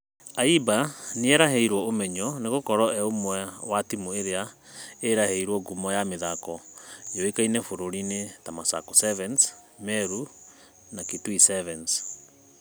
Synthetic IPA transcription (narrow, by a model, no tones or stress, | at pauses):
aibaneɛɾaɦɛiɾwɔomɛɲɔneɣokɔɾɔɛomwɛwatimueɾea | eɾahɛiɾwɔɡumɔjameðakɔjoekainɛfoɾoɾinetamasa̰kɔsɛvɛns | mɛɾu | nakitwisɛvɛns